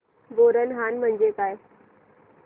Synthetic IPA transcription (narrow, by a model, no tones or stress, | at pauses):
boːɾənɦaːnmə̃ɲd͡ʑekaːe